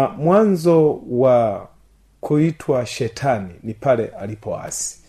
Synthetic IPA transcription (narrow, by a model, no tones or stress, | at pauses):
mwanzɔwa | kʰuitʰwaʃɛtʰaninipalɛʔalipɔa̰si̥